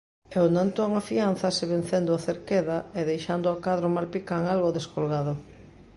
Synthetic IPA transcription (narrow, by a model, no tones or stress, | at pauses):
ewnãnt̪oaŋafian̟θɐsɪβen̟θend̪ʊaθeɾkeðɐeðejʃand̪ʊakaðɾomalpikaŋalɣoðeskolɣað̞ʊ